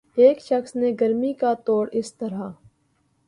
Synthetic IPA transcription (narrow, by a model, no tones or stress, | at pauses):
eːkʃɐxsneɡɐɾmikat̪oːɽɪst̪ɐɾaː